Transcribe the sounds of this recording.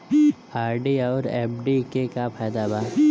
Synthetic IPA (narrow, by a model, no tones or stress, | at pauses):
aːɾɖiɔːɾḛːp̚ɖikekapʰɛːd̪abaːɾ